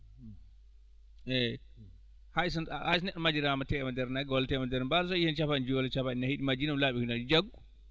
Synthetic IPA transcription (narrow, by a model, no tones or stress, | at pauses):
ʔɛ | haisɔnahasnɛɗɔmad͡ʒiɾamatɛɛmandɛɾnaɡwɔltɛmandɛɾbals̬ɔihɛnt͡ʃafaind͡ʒuɔlt͡ʃafainahiɗimad͡ʒinamlaɓihunad͡ʒd͡ʒaɡu